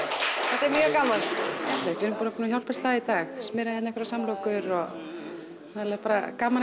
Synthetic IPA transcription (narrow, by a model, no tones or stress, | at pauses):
θɛht̪ɛɾmjœːɣkaːmallɛkt̪vɪnmpuːnapuːnaçjawlpɛst̪θaːðit̪aːxsmɪɾaɛt̪nɛhkɾasamlowkʏɾɔ | naðlaɣapaːɾa̰kaːman